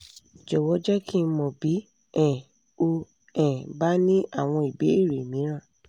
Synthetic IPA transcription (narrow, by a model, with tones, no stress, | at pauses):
d͡ʒɛ˨wɔ˨˦d͡ʒɛ˦kʰi˦˧˦mɔ̃˨bi˨˦ | ɛ̃˨ | o˧ | ɛ̃˨ba˦nĩ˦ʔa˦˨w̃ɔ̃˧i˨be˨˦e˦˨ɾe˨mĩ˨˦ɾ̃ã˦˨